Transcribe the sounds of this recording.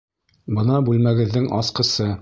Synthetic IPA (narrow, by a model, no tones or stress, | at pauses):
bɤnɑbʉlmæɡɘ̆ðːɘŋɑsqɤ̆sɤ